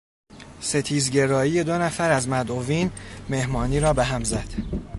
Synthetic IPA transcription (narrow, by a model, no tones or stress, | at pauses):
se̞t̪ʰiːzɟe̞ɾɒːjije̞d̪o̞næfæɾæzmæd̪o̞viːnme̞hmɒːniːɾɒːbeɦæmzæd̪̥